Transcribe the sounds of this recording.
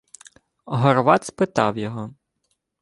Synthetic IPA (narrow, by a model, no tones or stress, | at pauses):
ɦɔrʋɑt̪spɪt̪ɑwjɔɦɔ